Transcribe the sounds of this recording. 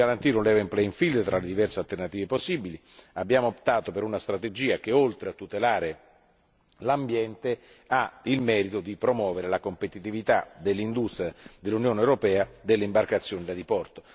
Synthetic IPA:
aɾant̪iːɾeunlɛvempleiɱfild̪t̪ɾʔaled̪ivɛrsealt̪ernat̪iːveposːibili | abːjaːmoopt̪aːt̪opeɾunast̪ɾat̪ed͡ʒiːakeolt̪ɾeat̪ːut̪elaːɾe | lambjɛnt̪e | ailmɛːɾit̪od̪ipɾomwɔːveɾelakompet̪it̪ivit̪ad̪elːind̪ust̪ɾʲjad̪elːunjoːnewɾopɛːad̪elːeimbarkat̪sːjoːnid̪ad̪ipɔrt̪o

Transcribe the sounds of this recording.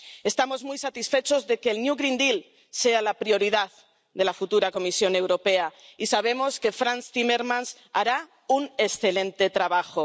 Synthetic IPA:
e̞st̪amo̞zmujsat̪isfe̞t͡ʃo̞zðe̞keːlnjuɣɾind̪il | se̞alapɾio̞ɾiðað | d̪e̞lafut̪uɾako̞misjo̞newɾo̞pe̞aisaβ̞e̞mo̞ske̞fɾanst̪imeɾmãns | aɾa | une̞sθe̞lẽ̞nt̪et̪ɾaβ̞axo

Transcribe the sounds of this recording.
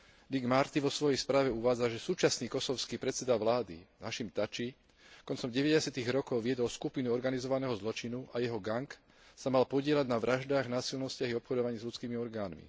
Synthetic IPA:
d̪iɡmaɾt̪iʋɔsʋɔjɛjspɾaːʋɛuʋaːd͡zaʒɛsuːt͡ʃasniːkɔsɔʊskiːpɾɛt̪sɛd̪aʋlaːd̪ḭnaʃimt̪at͡ʃi | kɔnt͡sɔmɟɛʋɛɟɛsɪat̪iɣɾɔkɔʊʋɪɛd̪ɔlskupinuɔɾɡanizɔʋanɛːɦɔzlɔt͡ʃinuʔajɛɦɔɡaŋk | samalpɔɟɪɛlaɟnaʋɾaʒd̪aːɣnaːsilnɔʊscaɣiɔpxɔd̪ɔʋaɲiːzlʎut͡skiːmiɔɾɡaːnmḭ

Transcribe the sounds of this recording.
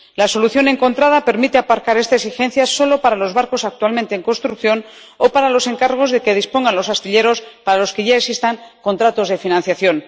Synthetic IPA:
laso̞luθjo̞ne̞ŋko̞nt̪ɾað̞ape̞ɾmit̪eapaɾkaɾest̪aesixe̞n̟θjaso̞lo̞paɾalo̞zβaɾko̞sak̚t̪ualment̪e̞ːŋko̞nst̪ɾukθjo̞n | opaɾalo̞se̞ŋkaɾɣ̞o̞zðe̞ke̞ð̞ispo̞ŋɡanlo̞sast̪iʎe̞ɾo̞spaɾalo̞ske̞ʝaesist̪aŋko̞nt̪ɾat̪o̞zðe̞finãnθjaθjo̞n

